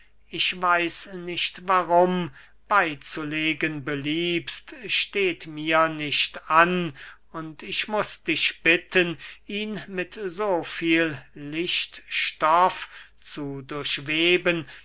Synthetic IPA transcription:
ʔɪʃvaɪsnɪʃtvaʁʊm | b̥aɪt͡suleːɡənbəliːpstʃteːtmiːɐnɪʃtan | ʊntʰɪʃmʊsd̥ɪʃb̥ɪtʰənʔiːnmɪtzoːfiːllɪʃtʃtɔf | t͡sudʊɐʃveːbən

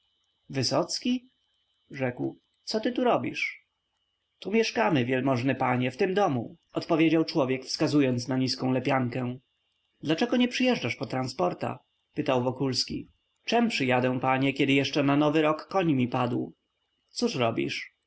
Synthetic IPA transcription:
vɘsɔt̪skʲi | ʐɛkw | t̪sɔt̪ɘt̪uɾɔbʲḭʂ | t̪umʲjɛʂkamɘvʲjɛlmɔʐnɘpaɲɛft̪ɘmd̪ɔmṵ | ɔt̪pɔvʲjed͡ʑawt͡ʂwɔvʲjɛkfskazujɔnt̪snaɲiskɔ̃lɛpʲjaŋkɛ̃ | d̪lat͡ʂɛɡɔɲɛpʂɘjɛʐd͡ʐaʂpɔt̪ɾanspɔɾt̪a̰ | pɘt̪awvɔkulskʲḭ | t͡ʂɛmpʂɘjad̪ɛw̃paɲɛkʲɛd̪ɘjɛʂt͡ʂɛnanɔvɘɾɔkːɔɲmʲipad̪w | t̪suʂɾɔbʲḭʂ

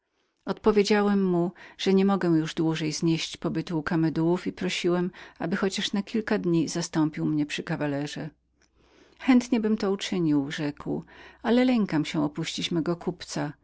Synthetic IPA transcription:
ɔt̪pɔvʲjed͡ʑawɛmːuʐ̥ɛɲɛmɔɡɛw̃juʐd̪wuʐɛjzɲeɕt͡ɕpɔbɘt̪uːkamɛd̪uwufipɾɔɕiwɛmabɘxɔt͡ɕaʂnakʲilkad̪ɲizast̪ɔmpʲiwmɲɛpʂɘkavalɛʐɛ | xɛnt̪ɲɛbɘmt̪ɔut͡ʂɘɲiwʐɛkwalɛlɛŋkamɕɛ̃ɔpuɕt͡ɕit͡ɕmɛɡɔkupt̪sa

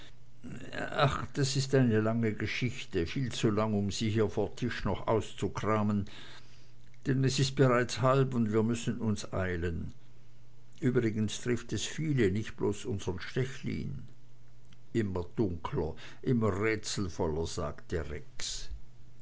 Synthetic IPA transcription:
axd̥asɪstaɪnəlaŋəɡəʃɪçtəfiːlt͡sulaŋʊmziːhiːɐfoːɐtʰɪʃnɔχʔa̰ʊst͡sukʁ̥aːmən | d̥ɛnɛsɪst̚b̥əʁaɪt͡shalpʊndviːɐmʏsən̩ʊnsʔa̰ɪlən | ʔyːbʁɪɡənstʁ̥ɪftɛsfiːlənɪçtb̥loːsʔʊnzəʁənʃtɛçlḭːn | ʔɪmɐd̥ʊŋkʰlɐ̰ | ʔɪmɐʁɛːt͡sl̩fɔlɐz̥a̰ːkt̚d̥eːɐʁɛks

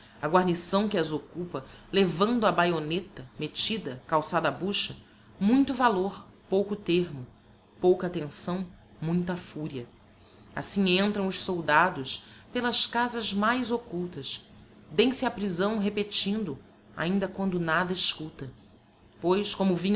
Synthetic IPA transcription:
ɐɡwaɾnisɐ̃w̃kɪɐzokupɐlevɐ̃nd̪ʊɐbajonet̪ɐmet͡ʃid̪ɐkawsad̪ɐabuʃɐ | mũj̃t̪ʊvaloɾpowkʊt̪eɾmʊ | powkɐat̪ẽsɐ̃w̃ | mũj̃t̪ɐfuɾiɐ | a̰sĩɲẽnt̪ɾɐ̃w̃ʊʃsowd̪ad̪ʊspelɐskazɐzmajzokuwt̪ɐs | d̪ẽj̃sɪɐpɾizɐ̃w̃ɦepet͡ʃĩnd̪ʊ | a̰ĩnd̪ɐkwɐ̃nd̪ʊnad̪ɐiʃkut̪ɐ | pojskõmʊvĩɲ

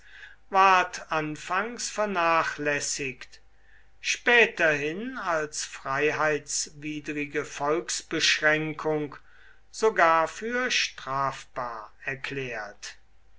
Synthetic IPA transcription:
vaɐtʔanfaŋsfɛɐnaːχlɛsɪkt | ʃpɛːtɐhɪnalsfʁ̥aɪɦaɪtsviːdʁɪɡəfɔlksb̥əʃʁɛŋkʰʊŋk | z̥oɡaːɐfyːɐʃtʁ̥aːfb̥aːɐɛɐkʰlɛːɐt

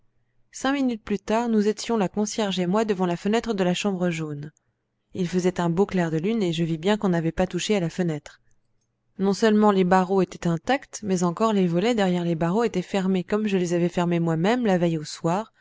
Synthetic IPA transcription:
sɛ̃minyt̪̚plyt̪aʁnuzet̪jɔ̃lakɔ̃sjɛʁʒemwad̪əvɑ̃lafənɛt̪χəd̪əlaʃɑ̃bʁəʒon | ilfəzɛt̪ɛ̃boklɛʁd̪əlyneʒəvibjɛ̃kɔ̃navɛpat̪uʃealafənɛt̪χ | nɔ̃sœlmɑ̃lebaʁoet̪ɛt̪ɛ̃t̪akt̪mɛzɑ̃kɔʁlevɔlɛd̪ɛʁjɛʁlebaʁoet̪ɛfɛʁmekɔmʒəlezavɛfɛʁmemwamɛmlavɛjoswaːʁ

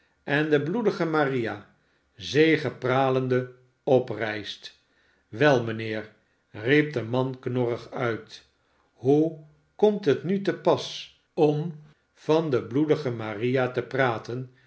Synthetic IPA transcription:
ʔɛndəbludəχəmarija | zejχəpraːləndə | ɔprɛjst | ʋɛlˠmənɪːɹ | rip̚dəmɑnknɔrəχœɥt | ɦu | kɔmtɦətnytəpɑs | ɔm | v̥ɑndəbludəχəmarijatəpraːtən

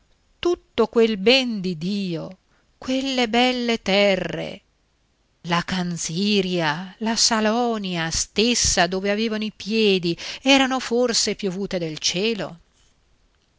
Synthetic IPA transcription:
t̪ut̪ːokwelbɛnd̪id̪iːo | kwelːebɛlːet̪ɛrːḛ | lakansiːɾjalasalɔːniast̪esːad̪oːveaveːvanoipjɛːd̪iɛːɾanoforsepjovuːt̪ed̪elt͡ʃɛːlo̰

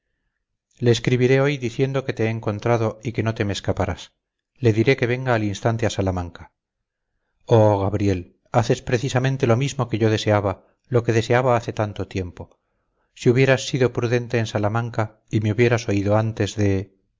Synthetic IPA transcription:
le̞ːskɾiβiɾe̞o̞jðiθje̞nd̪o̞ke̞t̪eeːŋko̞nt̪ɾaðo̞ike̞no̞t̪e̞meːskapaɾa̰s | le̞ðiɾe̞ke̞βe̞ŋɡaːlinst̪ant̪e̞asalamãŋkḁ | oɣaβɾje̞l | aθe̞spɾe̞θisamẽnt̪e̞lo̞mizmo̞ke̞ʝo̞ðe̞se̞aβa | lo̞ke̞ðe̞se̞aβaaθe̞t̪ant̪o̞t̪je̞mpo̞ | siuβje̞ɾasːiðo̞pɾuðe̞nt̪e̞ːnsalamãŋka | ime̞uβje̞ɾaso̞iðo̞ant̪e̞zðe̞

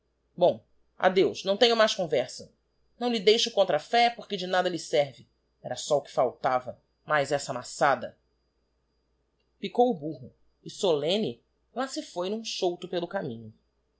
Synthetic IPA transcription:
bõw̃ | a̰d̪ewznɐ̃w̃t̪ẽɲʊmajʃkõvɛɾsɐ | nɐ̃w̃lɪd̪ejʃʊkõnt̪ɾɐfɛpoχkɪd͡ʒɪnad̪ɐlɪsɛɾvɪ | ɛɾɐsɔʊkɪ̥fawt̪avɐ | majzɛsɐmasad̪ɐ | pikowʊbuɦʊ | ɪsolẽnɪ | lasɪfojnũʃowt̪ʊpelʊkamĩɲʊ

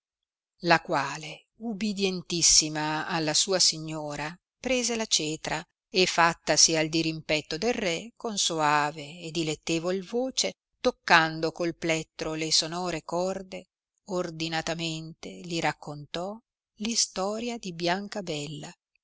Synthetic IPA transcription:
lakwaːle | ubid̪jɛnt̪isːimaːlːasuːasiɲːoːɾa | pɾeːzelat͡ʃɛːt̪ɾa | efːat̪ːasiald̪iɾimpɛt̪ːod̪elrɛkonsoaːveːd̪ilet̪ːeːvoilvoːt͡ʃe | t̪okːand̪okolplɛt̪ːɾolesonɔːɾekɔrd̪e | ord̪inat̪ament̪eliɾakːont̪ɔ | list̪ɔːɾjad̪ibjaŋkabɛlːa

